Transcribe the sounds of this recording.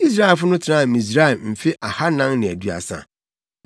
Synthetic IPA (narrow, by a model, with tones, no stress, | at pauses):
i˦s̬ɾa˦ɛ˨fʊ˦nʊ̃˦tʰɪ˨nã˦˨mĩ˨s̬ɾa˦ɛ˨m̩˨fɪ˦ʔa˨ha˦nã˦ŋnɪ̃˨æ˨dɥa̰˨sa̰˨